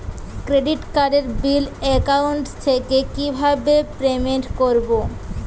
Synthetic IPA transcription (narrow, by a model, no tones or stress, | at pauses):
kɾeɖiʈkaɖeɾbilɛkawɳʈt̪ʰekekibʱabepɾemeɳʈkoɾbo